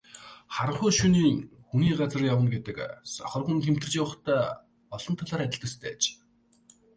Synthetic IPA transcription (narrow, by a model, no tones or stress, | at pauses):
χaɾə̆ɴχʊːʃuniːŋxuniːɢat͡sə̆rjawə̆nɡet̪ɘ̆ksɔχɞ̆rχunt̪ʰem̥t̪ɘrt͡ɕiːwʊ̆χt̪æː | ɔɮ̥ɞ̆nt̪ʰɔɮaːɾæt̪ʲɪ̆ɮt̪ə̆st̪ʰæ̰ːt͡ɕ